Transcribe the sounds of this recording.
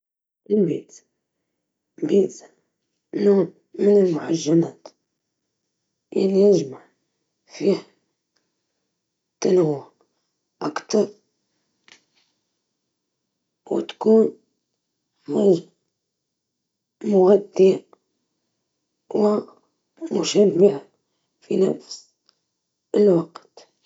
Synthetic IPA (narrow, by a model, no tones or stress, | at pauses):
ʔɪlbiːt̪ | biːt̪ | nuːn | mɪnɪlmʊħaʒːanaːt̪ | jaʕnijɪʒmaʕ | fiːh | t̪anawa | ʔakt̪ɑɾˤ | wɪ̰t̪ḁkuːn | mʊz | mʊɣad̪ːi | wɪ | mʊʃamːɪʕa | finafs | ɪlwaqt̪